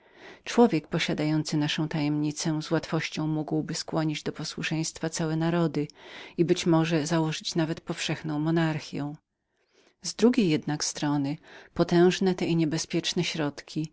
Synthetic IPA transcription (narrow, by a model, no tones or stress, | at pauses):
t͡ʂwɔvʲjɛkpɔɕad̪ajɔnt̪sɘnaʂɔ̃w̃t̪ajɛmɲit̪sɛzwat̪fɔɕt͡ɕɔ̃w̃muɡwbɘskwɔɲid͡ʑd̪ɔpɔswuʂɛj̃st̪fat̪sawɛnaɾɔd̪ɘibɘt͡ɕmɔʐɛzawɔʐɘt͡ɕnavɛt̪pɔfʂɛxnɔ̃w̃mɔnaɾxʲjɛ̰̃w̃ | zd̪ɾuɡʲejːɛd̪nakst̪ɾɔnɘpɔt̪ɛ̃w̃ʐnɛt̪ɛiɲɛbɛspʲjɛt͡ʂnɛɕɾɔt̪kʲi